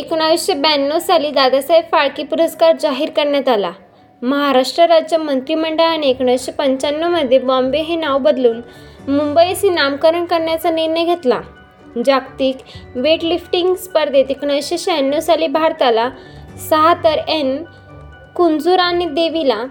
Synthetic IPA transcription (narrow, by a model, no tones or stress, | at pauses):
ekɽ̃aʋiɕebɛnːosaliːd̪ad̪asajbfaɭkiːpuɾəskaɾd͡zaɦiːɾkəɾɳjat̪ala̰ | məɦaɾaʂʈɾəɾad͡ʑd͡ʑjəmənt̪ɾiːməɳɖəɭaɽ̃iekɳ̃aʋiɕepəɲt͡ɕanːəməd̪ʱːjebɔ̃mbeɦenaʋbəd̪luːnmumbəjəsĩnamkəɾəɳkəɾɳjat͡saniɾnəjɡʱet̪la̰ | d͡ʑakt̪iːkʋeʈlifʈiŋɡspəɾd̪et̪ekɳaʋiɕeɕɛnːosaliːbʱaɽt̪ala | səɦat̪əɾen | kund͡zuɾanid̪eʋila